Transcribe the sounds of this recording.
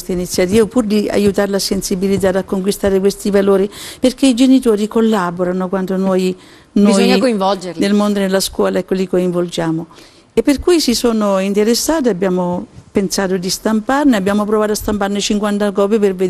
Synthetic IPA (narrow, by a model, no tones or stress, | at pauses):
st̪ainit̪sːjat̪iːvopuːɾd̪ia̰jut̪aːɾelasensibilid̪aːt̪akːoŋk̬wist̪aːɾekwest̪ivaloːɾiperk̟ːeid͡ʒenit̪oːɾikolːaːboɾanokwant̪onoj | nojɲːakoiɱvɔld͡ʒeɾlnelmond̪onelːaskwɔːlaɛkːolikːoiɱvold͡ʒaːmʊ | epːerkujsisoːnoint̪eɾesːaːt̪̬eabːjaːmopensaːt̪od̪ist̪amparnɪabːjaːmopɾovaːt̪oast̪amparnɪt͡ʃiŋkwant̪akɔːpiperved̪